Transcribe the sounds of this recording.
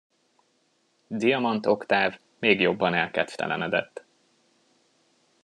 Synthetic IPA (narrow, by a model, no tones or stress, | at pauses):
d̪ijɒmɒnt̪o̞kt̪aːv | meːɡjo̞bːɒnɛlkɛt̪ft̪ɛ̰lɛ̰nɛd̪ɛt̪ː